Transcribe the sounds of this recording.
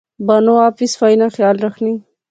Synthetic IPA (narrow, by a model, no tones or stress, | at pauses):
banoaːfɪsfajnaxjɑːlɾaxni